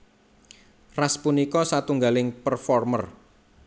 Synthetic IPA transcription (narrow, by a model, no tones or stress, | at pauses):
raspunikɔsat̪uŋɡalɪŋpərfɔrmə̰r